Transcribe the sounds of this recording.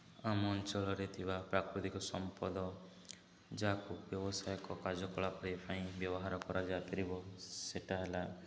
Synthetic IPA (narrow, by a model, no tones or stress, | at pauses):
amɔːnt͡ʃɔɭɔɾet̪ʰibapɾakɾut̪ikɔsɔmpɔd̪ɔ | d͡ʒaakubjɔbɔsajɔkɔkaɾd͡ʒɔkɔɭapɔɽepaĩbjɔbɔɦaɾɔkɔɾad͡ʒat̪ɔɾibɔseʈaɦela